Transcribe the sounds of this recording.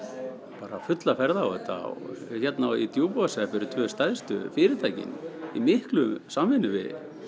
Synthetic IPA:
paːɾafʏt̪lafɛɾðaɛt̪a̰wçɛt̪nait̪joːwpuasɛafɪɾʏt̪ʰvœːst̪ajðst̪ʏfɪɾɪt̪ʰajcɪ̰nimɪhklʏsaːmvɪnːʏvɪ̰

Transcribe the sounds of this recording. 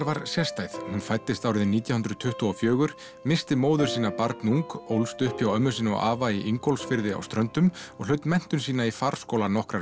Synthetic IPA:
ɾvaɾsjɛst̪ajðhunfajt̪ːɪst̪aːwɾɪðɪniːt̪jahʏnɾʏt̪ʰʏht̪ɔɔfjœːɣʏɾ̥ | mɪst̪ɪmoːwðʏɾsiːnapaɾt̪nuŋkowlst̪ʏhpjawœmːʏsiːnɔ̰ʔaːvaiʔiŋkɔlsfɪɾðɪa̰wst̪ɾœnt̪ʏmɔɣlœɥt̪mɛn̥t̪ʏnsiːnaifaɾ̥skoːwlanɔhkɾa

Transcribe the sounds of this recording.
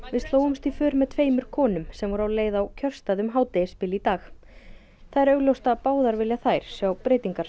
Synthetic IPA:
vɪst̪loːwʏmst̪ifʏːɾmɛðt̪ʰveːjmʏɾ̥kʰɔːnʏmsɛmvɔɾawleːjðawcʰœr̥st̪aðʏmɦaːwt̪ɪspɪlit̪aːx | θaðɛɾœɥɣlowst̪apaːwðaɾvɪljaθajɾ̥sjawpɾeːjt̪iŋkaɾ̥

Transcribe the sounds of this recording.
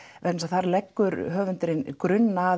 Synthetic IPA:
vɛnsaθaɾlɛkːʏɾɦœːvʏnt̪ɪɾɪnkɾʏnːa

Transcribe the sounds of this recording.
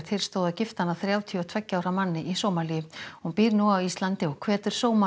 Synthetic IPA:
ɾ̥t̪ʰɪlst̪oːwðacɪft̪anːaθɾjaːwt̪ʰiɔt̪ʰvɛcːaːwɾamanːɪʔisoːwmalihunpiːɾnuawist̪lant̪ɪɔɣkʰv̥ɛːt̪ʏɾ̥soːwma

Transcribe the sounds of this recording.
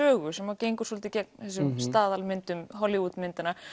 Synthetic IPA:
œːɣʏsɛmaceːjŋkʏ̥sɔlt̪ɪcɛk̚nθɛs̬ʏmst̪aːðalmɪnt̪ʏmɦɔlɪvut̪mɪnt̪ɪna

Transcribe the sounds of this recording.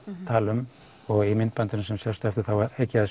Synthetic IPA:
t̪ʰaːlʏm | ɔɣimɪnt̪pant̪ɪnsɛmsɛst̪ɛft̪ɪɾ̥θawaeːjcːɪað

